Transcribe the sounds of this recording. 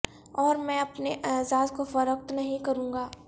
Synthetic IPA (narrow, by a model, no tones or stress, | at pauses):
ɔːɾmɛ̃ɐpneʔɛːzaːzkofɐɾək̚t̪nɐɦĩkɐɾũːŋɡaː